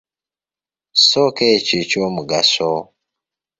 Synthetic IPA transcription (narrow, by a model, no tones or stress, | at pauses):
sɔket͡ʃit͡ʃomuɡa̰sɔ